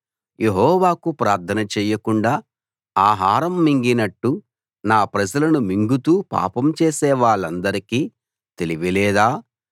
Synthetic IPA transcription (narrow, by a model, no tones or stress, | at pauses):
je̞ɦɔːʋaːkupɾaːɾt̪ʰɐnɐt͡ʃɛːjɐkuɳɖaː | aːɦaːɾɐmːiŋɡinɐʈːu | naːpɾɐd͡ʒɐlɐnumiŋɡut̪uːpa̰ːpɐmt͡ʃeːsɛːʋaːɭɐnd̪ɐɾikiː | t̪e̞liʋilɛːd̪aː